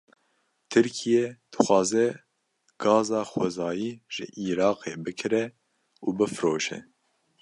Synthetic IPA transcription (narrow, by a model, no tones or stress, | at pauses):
t̪ʰɨɾkʰijɛd̪̥ɨxʷɑːzɛ | ɡ̥ɑːzɑːxɛzɑːjiːʒ̥ɨ̰ʔiːɾɑːqeːbɨkʰɨɾɛ | uːbɨfɨɾoːʃɛ̰